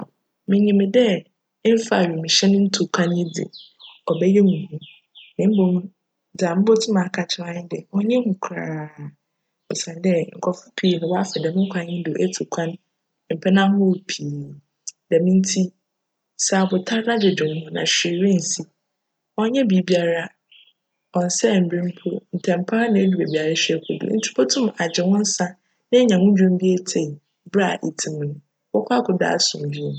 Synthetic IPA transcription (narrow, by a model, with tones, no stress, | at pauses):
mɪ̃˨ɲĩ˨mɪ̃˨dɛ˦ | m̩˦fa˨ɥi˨mĩ˨ɕɛ˦nʊ̃˦n̩˦tʰu˨kʷʰã˦nɪ̃˦dɪ̰˨ | ɔ˨bɛ˦jɛ˦mũ˨hũ˦ | mɪ̃˨˦m̩˦bõ˨m̃˦˨ | d͡za˨m̩ɪ̃˦bo˦tʰɪ˦mã˨kʰa˨t͡ɕʰɪ˦ɾã˦ɲɪ̃˦dɪ˨ɔ˦ɲɛ̃˦ŋũ˨kʷʰɾaː˨ | ɔ˨sã˨n˦dɛ˦ŋ̩˨kʰɔ˨fʊ˦pʰi˨nʊ̃˨wɔ˦a˦fɛ˨dɛ˨mɪ̃˦ŋ̩˦kʷʰã˨˦ɪ̃˦dʊ˨ʔe˦tʰu˨kʷʰã˦n˦ | m̩˨pʰɛ˦nã˦ʊ˦˨pʰiː˨ | dɛ˨mĩ˦n̩˦tʰi˦ | sa˦˨bʊ˨tʰa˦ɾnã˦dɪ˨d͡ʑɪ˨n˦hʊ̃˦nã̰˨ɕᶣɪ˨ɾɪ̃˦n̩˨si˦ | ɔ˦ɲɛ̃˦bi˨˦bi˦a˨ɾa˦ | ɔ̃˨n̩˨sɛ˦˨m̩˨bɾĩ˦m̩˦pʰʊ˦n̩˨tʰɛ̃˨m̩˨pʰa˦nã˨˦e˦du˨be˨bi˨a˨ɾa˦ɕᶣɛ˦kʰʊ˨dṵ˨n̩˨tʰi̥˦pʰɔ˦tʰʊ̃˦ma˨d͡ʑɪ˨wɔ̃˦n̩˦sa˦ | nɪ̃˦ɲã˨ŋʊ̃˦d͡ʑᶣũ˦m˦bi˦e˦tʰe˨i˨ | bɾa˦˨ʔi˨tʰĩ˨mnʊ̃˨ | wɔ˦kʰʷa˦kʰʊ˨da̰˨˦˨sʊ̃˨m˨d͡ʑu˦m˦